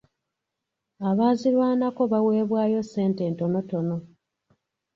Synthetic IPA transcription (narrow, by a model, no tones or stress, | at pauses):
aβaːzilwaːnako̞βawe̞ːβwaːjo̞se̞ːnte̞ːnto̞no̞to̞no̞